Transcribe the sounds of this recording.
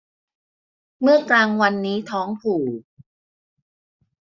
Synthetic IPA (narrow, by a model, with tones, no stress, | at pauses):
mɯ˥˩ɐklaː˧ŋwa˧nːiː˦˥t̪ʰɔː˦˥ŋpʰuː˨˩